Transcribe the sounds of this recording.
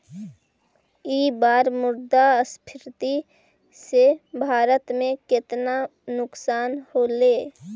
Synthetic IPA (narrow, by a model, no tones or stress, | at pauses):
iːbaːɾmʊɾd̪aəspʰɪɾt̪i | sebʱaːɾət̪mẽkɪt̪nanʊksaːnholeː